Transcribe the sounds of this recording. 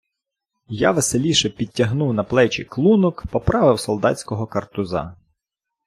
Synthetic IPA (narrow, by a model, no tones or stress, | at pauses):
jaʋeselʲiʃɛpʲitʲːɐɦnuwnɐplˠɛt͡ʃʲiklˠunɔkpɔpɾɑʋɪwsɔlˠd̪ɑtt͡sʲkɔɦɔkɐrt̪ʊzɑ̰